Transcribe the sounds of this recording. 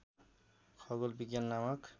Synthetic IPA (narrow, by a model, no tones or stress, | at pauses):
kʰɔɡɔlbiɡjanːamɔk